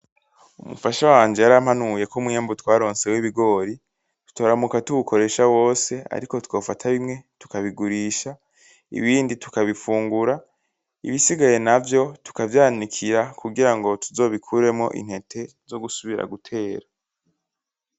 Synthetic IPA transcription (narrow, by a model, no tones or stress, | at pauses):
umṵfaʃawaːnd͡ʒe̞jaɾam̥hanuje̞komwiaːmbutwaːɾo̞ːnse̞wiβiɡo̞ːɾi | tu̥toːɾamukatuβukʰo̞ɾe̞ʃawo̞ːse̞a̰ɾiko̞two̞ːfatʰaβimŋe̞tu̥kaβiɡuɾiːʃa | ḭβiːnditu̥kaβifuːŋɡuɾa | ḭβisiɡaje̞navjo̞tu̥kavjaːnikʰiɾakʰuɡiɾaŋɡo̞tʰuzo̞ːβikʰuɾe̞mŋo̞̰ʔḭn̥he̞tʰe̞ | zo̞ɡusuβiɾa̰ɡutʰe̞ːɾa